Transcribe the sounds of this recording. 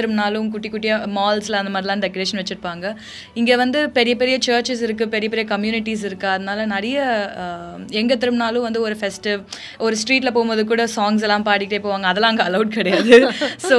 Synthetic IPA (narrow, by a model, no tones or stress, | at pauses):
t̪ːɪɾɯmnaːlʊ̃k̬ʊʈːɪkːʊʈːɪjɐmaːlsɪlɐnd̪ɐmaːd̪ɾɪlãːɖɛkːɐɾeːʂɐnʋɛt͡ʃːɪʈɯpaːŋɡɐ | ɪŋɡeːʋɐnd̪ɯpɛɾɪjɐpɛɾɪjɐt͡ʃɐːɾt͡ʃɪs̬ɪɾɯkːɯpɛɾɪjɐpɛɾɪjɐkɐmjuːnɪʈːis̬ɪɾɯkːɯɐðɐnaːlɐnɐɾɪjɐ | ɛŋɡɐt̪̬ːɪɾɯmnaːlʊ̃ʋɐnd̪ɯɔɾɯfɛsʈɯ | ɔɾɯsʈɾiːʈlɐpoːɣmbɐðɯkuːɽɐsaːŋɡs̬ɛlːãːmpaːʈɪkːɪʈːɐːɪpːoːʋaːŋɡɐːðɛlːãːɪŋɡɐɐlɐʊʈ̚kɪɽɐjaːðɯssoː